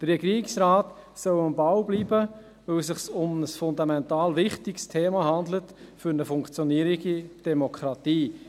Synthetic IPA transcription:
d̪̥əɾɛɡiːɪksɾaːt | sœwɑmbɑwbliːbə | ʋɵlsɪχsʊməsfʊndɑmɛntɑːlʋɪχtɪkstʰeːmɑɦɑnd̪lətfʏɾnəfʊŋkt͡sjɔniəɾiɡid̥ɛmokʰɾɑt̪iː

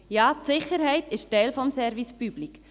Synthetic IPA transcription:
jɑːtsɪχəɾhɛɪtɪʃtɛɪlfɔmsɛɾvispyb̥lik

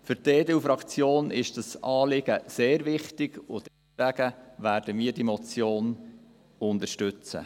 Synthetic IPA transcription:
fʏɾteːdɛufɾɑkt͡sjoːnɪʃd̥ɑsɑːlɪɡ̥əseːɾʋɪχtɪɡ̥ʊd̥ɛsvæɡ̥əvæːɾdəmiːɾdimɔt͡sjoːn | ʊnd̪əʃtʏt͡sə̰

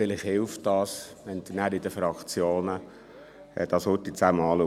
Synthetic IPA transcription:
ɪlɪχhɪlft̚d̥ɑːs | ɛnd̪ənæːɾidəfɾɑkt͡sjoːnə | d̥ɑshɔt̪it͡sæːmɑːlu

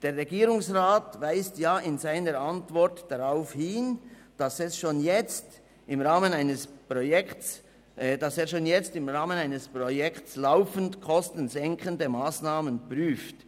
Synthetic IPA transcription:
d̥eːɾːɛɡiːɾʊŋsʁaːtvaɪstjaːɪnzaɪnəɾʔantv̥ɔɾtd̥aʁaʊfhɪːn | d̥asɛsʃoːnjɛt͡st | ɪmʁaːmənaɪnəspʁojɛk | dɑseːɾʃoːnjɛt͡stɪmʁaːmənaɪnəspʁojɛktslaʊfən̩tkʰɔstən̩zɛŋkʰəndəmaːsnaːmənpryːft

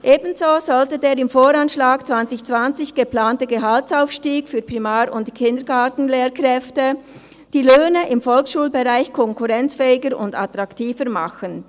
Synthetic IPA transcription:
ʔeːbn̩zoːzɔltədeːɾɪmfoːɾanʃlaːkt͡sv̥ant͡sɪçt͡sv̥ant͡sɪçɡ̥əplaːntəɡəɦaltsaʊfʃtiːɡfyːpʁimaːɾʊntkʰɪndəɡaːtn̩leːɾkʁɛftə | d̥iːløːnəʔɪmfɔlksʃuːlbeʁaɪçkʰɔŋkuʁɛnt͡sfɛːɪɡəɾʊ̰nda̰t̪ʁɑktʰiːfəɾmaxən

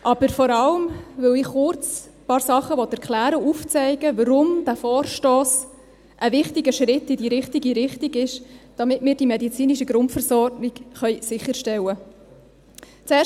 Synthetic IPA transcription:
ʔɑb̥əɾfɔɾɑləmʋɵlɪχχʊɾt͡s | pɑːɾsɑχəʋɔt̪ɛɾkʰlæːɾəuft͡sɛɪɡəʋəɾʊmd̥̪æfɔːrʃtoːs | ʔəvɪχtiɡəʃɾɪtːidiːɾɪχtiɡiɾɪχtiɡɪʃd̥ɑmɪtmɪːɾd̥imɛd̪it͡siːniʃəɡɾʊntfəɾsɔɾɡniɡχœʏsɪχːəɾʃtɛwə | t͡sɛː

